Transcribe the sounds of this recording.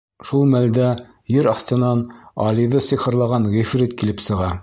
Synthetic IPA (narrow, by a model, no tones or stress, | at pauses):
ʃulˠmæld̪æ | jɘɾɑθt̪ɤ̆nɑnɑ̰liðɤsɤχɤ̆ɾlˠɑʁɑnʁifrit̪kilɘpsɤ̆ʁɑ